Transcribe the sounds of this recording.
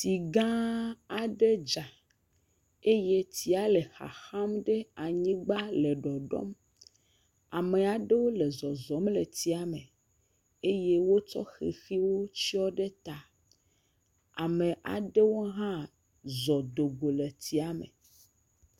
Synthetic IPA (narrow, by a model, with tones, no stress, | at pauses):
t̪i˨ɡã˦a˨ɖe˦d͡ʒa˨ | e˦je˦t̪i˨a˨˦le˨xa̰˨xa˦mɖe˦a˨ɲĩ˦ɡ͡ba˦le˨ɖɔ˨ɖɔ̰˦m | a˨me˨a˨ɖe˦wo˦le˨zɔ˨zɔ˨˦mle˨t̪i˨a˨me˨ | e˦je˦wo˦t͡ʃɔ̰˦xḭ˨xi˦wo˦t͡ɕi˦ɔ˦ɖe˦t̪a˨ | a˨mẽ˨ʔa̰˨ɖe˦wo˦ɦã˦ | zɔ˨d̪o˨ɡo˨le˨t̪i˨a˦mḛ˨